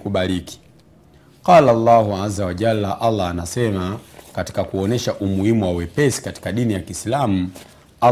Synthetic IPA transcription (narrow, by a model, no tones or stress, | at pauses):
kuɓaliki̥ | qɑlalːahuazawaʄalːaʔalːaːnasɛmakati̥kakuɔnɛʃaʔumuhimuwawɛpɛsi̥kati̥kaɗinijakislamu | a